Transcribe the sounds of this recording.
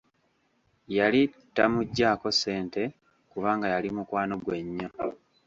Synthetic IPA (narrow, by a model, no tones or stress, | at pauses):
jali | tːamuɟːaːko̞se̞ːnte̞ | kuβaːŋɡajalimukwaːno̞ɡwe̞ɲːo